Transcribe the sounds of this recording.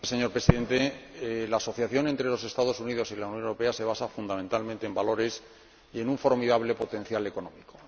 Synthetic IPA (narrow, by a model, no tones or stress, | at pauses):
seɲo̞ɾpɾe̞siðent̪elaːso̞θjaθjo̞nent̪ɾe̞lo̞se̞st̪að̞o̞suniðo̞silaunjonewɾo̞pe̞ase̞βasafund̪amẽ̞nt̪almẽnt̪embalo̞ɾe̞s | ie̞nuɱfo̞ɾmiðaβle̞po̞t̪ẽ̞n̟θjale̞ko̞nõ̞miko